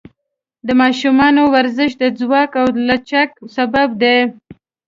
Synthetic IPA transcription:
d̪əmɑʃumɑnowaɾzəʃd̪əd͡zwɑkawlat͡ʃak̚sabab̚d̪e

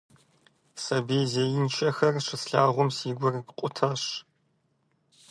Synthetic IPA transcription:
sɐbiːzeːjɪnt͡ʃʰɐxɐrʂɨsɬaːʁʷʊmsiːɡʷʊrkqʷʼʊtʰɐɕ

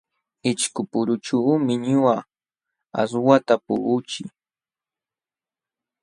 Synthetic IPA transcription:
ɪt͡ʃkʊpʊɾʊt͡ʃumɪɲʊa | a̰swat̪apʊʔʊt͡ʃɪ

